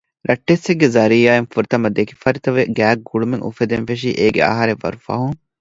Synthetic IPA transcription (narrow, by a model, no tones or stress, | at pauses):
ɾɐʈːesːeɡːezɐɾijaːenfuɾit̪ɐmɐd̪ekifɐɾit̪ɐʋeɡæːɡuɭumeŋʔṵfed̪enfeʂ̬iʔeːɡḛɐ̰ɦɐɾeʋːɐ̰ɾufɐ̰ɦuŋ